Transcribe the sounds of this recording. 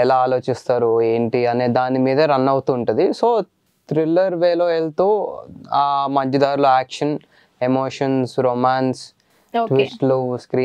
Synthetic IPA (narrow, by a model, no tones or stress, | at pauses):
ɛlaːaːlo̞ːt͡ʃist̪aːɾue̞ːɳʈiɐneːd̪aːnimiːd̪ɐɾɐnːɐwut̪uːɳʈund̪isoː | t̪ɾilːɐɾʋeːloːeɭt̪uːaːmɐɲd͡ʒɐd̪aːɾulɐaːkʂɐn | emoːʂɐnsɾomaːns | ʈʋisʈluskɾiː